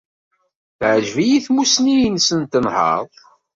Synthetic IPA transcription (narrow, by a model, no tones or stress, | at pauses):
θʕʒvijiθmusnijnsənt̪ənhɑ̰ðˤ